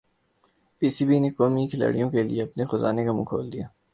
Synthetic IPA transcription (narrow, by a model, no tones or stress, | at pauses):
piːsiːbinekɔːmikʰɪla̰ːɽijõkelḭeɐpnexʊza̰ːnekamṵːkʰoːld̪ijaː